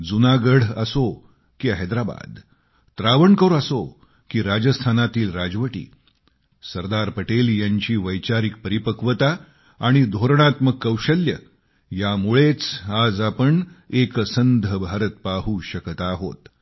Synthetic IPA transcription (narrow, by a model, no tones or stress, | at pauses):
d͡zunaɡəɽ̤ə̰so | kiəɦed̪ɾaba̰d̪ | t̪ɾaʋəɳkəɾoəso | kiːɾad͡ʑəst̪ʰanat̪iːlɾad͡zʋəʈḭː | səɾd̪aɾpəʈeljaɲt͡ɕiːʋəjt͡ɕaɾik̚pəɾipəkʋət̪aː | ɽ̃id̪ʱoɾɳ̃at̪məɡ̚kːəwɕəljə | jamuɭet͡sad͡zapəɳeksənd̪ʱəbʱaɾət̪̚paɦuːɕəkt̪aɦo̰t̪